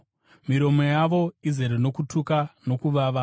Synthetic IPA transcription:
miɾo̞mo̞jaʋo̞izeɾeno̞kutʰukano̞kuʋaʋa

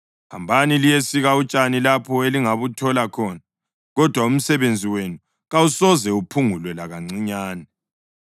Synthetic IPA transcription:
ha̰mbʱanilijesiɣaut͡ʃʼanilapʰɔeliŋaβutʰɔlakʰɔːna | ɣɔd̥ʱwaum̩sɛβend͡zʱiwenu | ɣausɔzɛupʰuŋulwɛlaɣaŋ͡ǀiɲaːnɛ

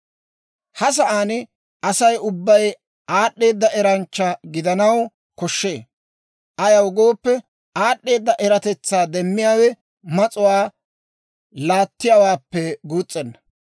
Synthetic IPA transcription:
hɐs̬ɐʔaːnɪ | ʔɐsɐjʊbːɐj | ʔaːɗːe̞ːd̪ːɐʔɛɾɐnt͡ʃːɐɡɪd̪ɐnɐw | kɔʃːeː | ʔɐjɐwɡo̞ːpːɛ | aːɗːe̞ːd̪ːɐʔɛɾɐt̪ɛt͡sːaːd̪ɛmːɪjaːwɛ | mɐt͡sʼʊwaː | laːt̪ːɪjawaːpːɛɡuːt͡sʼːɛnːɐ

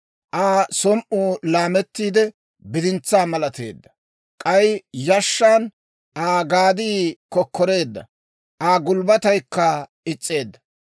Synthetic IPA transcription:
ʔaːsɔmʔuːlaːmɛt̪ːiːd̪ɛ | bɪd̪ɪnt͡sːaːmɐlɐt̪e̞̰ːd̪ːɐ̥ | kʼɐjjɐʃːaːn | ʔaːɡaːd̪iːkɔkːɔɾe̞ːd̪ːɐ̰ | ʔaːɡʊlbɐt̪ɐjkːɐ | ɪt͡sʼːe̞ːd̪ːɐ̥

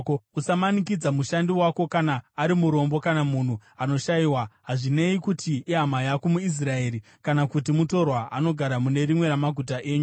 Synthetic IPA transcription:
usamanikid͡zamuʃandiwako̞kanaːɾimuɾo̞mbo̞kanamun̤uano̞ʃaiwaɦaʐine̞ikutiiɦamajakomuis̬rae̞ːɾi | kanakutimuto̞rwaʔano̞ɡʱaɾamune̞ɾimwe̞ɾamaɡʱutaʔe̞ːɲu

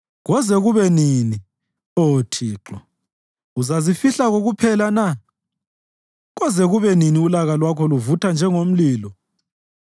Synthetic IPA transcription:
ɣɔzɛɣuβɛniːni | oːtʰiːǁɔ | uzazifiɬaɣoɣupʰɛlana | ɣɔzɛɣuβɛniniulaɣalwakʰɔluvutʰand͡ʒʱɛŋom̩liːlɔ

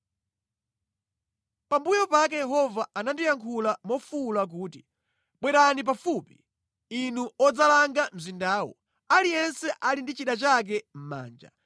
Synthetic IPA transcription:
pambujɔpak̬ɛjɛɦɔvaanandijaŋkʰulamɔfulak̬uːti | ɓwɛɾanip̬afupi | inuɔd͡zalaŋɡam̩zindaːwɔ̰ | alijɛnsɛʔalindit͡ʃiɗat͡ʃak̬ɛm̩ma̰ːnd͡ʒa̰

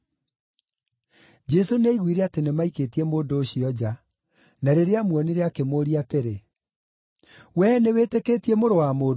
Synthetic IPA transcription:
d͡ʒɛsoneiɣwiːɾeatenemaiketiɛmoːndoːɕiɔd͡ʑa | naɾeɾeamwɔneɾeakemoɾiateɾe | wɛnewetekeːtiemoɾowamoːd

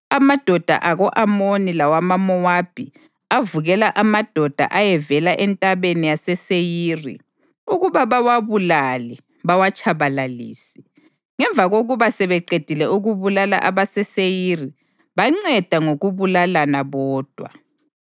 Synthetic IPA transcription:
amad̥ʱɔd̥ʱa̰ʔaɣɔʔamonilawamamɔwab̥ʱi | avuɣɛlaʔamad̥ʱɔd̥ʱa̰ʔajɛvɛlaʔɛntʼaβenijasɛsejirḭ | uɣuβaβawaβulalɛ | βawat͡ʃʼʰaβalalḭːsi̥ | ŋɛɱvʱaɣoɣuβasɛβɛǃed̥ʱilɛuɣuβulala̰ʔaβasɛsejiri | βaŋ͡ǀɛd̥ʱaŋoɣuβulalanaβɔːd̥ʱwa̰

